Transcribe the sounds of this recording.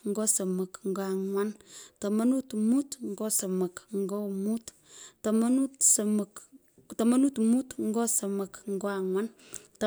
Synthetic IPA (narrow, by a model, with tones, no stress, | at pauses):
ŋ̩˦ɡosə˨mə˨kŋ˦ɡa˨ŋwanta˨ma˦nu˦t̪mu˦tŋ˦ɡo˦sə˨mə˨kŋ˦ɡo˦mut̪ | tamanutsəmək | ta˨ma˦nu˦t̪mu˦t̪ŋ̩˦ɡo˦sə˨mə˨kŋ˦ɡo˦aŋwa˦n | t